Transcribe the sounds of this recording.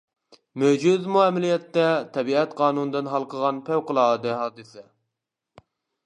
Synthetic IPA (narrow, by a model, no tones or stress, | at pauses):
mød͡ʒuzmuɛmɪlijɛt̪ːɛt̪ʰɛbiɛt̪qʰɑːnunɨd̪ɨnɦɑlˠqʰəʁɑnpʰæwqəlˠɑːd̪ɨɦɑːd̪ɨsɛ